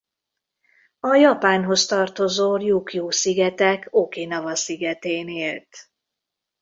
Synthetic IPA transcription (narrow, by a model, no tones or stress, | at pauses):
ɒjɒpaːnɦo̞st̪ɒrt̪o̞zoːjukjuːsiɡɛt̪ɛkʰokenɒvɒsiɡɛt̪eːneːlt̪